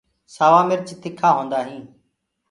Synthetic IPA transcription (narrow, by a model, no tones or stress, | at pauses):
saːʋaːmɪɾt͡ʃɪt̪ʰɪkʰaːɦõːnd̪aːɦĩː